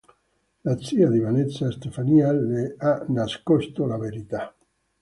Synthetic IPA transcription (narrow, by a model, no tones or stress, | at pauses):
lat̪siad̪iβanet̪sast̪efanjalːeanaskɔst̪olaveɾit̪a